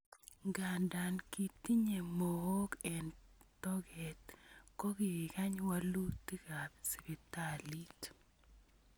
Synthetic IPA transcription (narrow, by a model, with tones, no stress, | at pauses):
ɡa˨nda˨nki˨t̪i˦ɲe˨mo˨o˦kɛ˨ntɔ˦ɡɛ˨t̪ko˦ɡi˨i˨ka˦ɲwa˦lu˦t̪ːi˦ka˨bsi˨be˨ta˦li˦t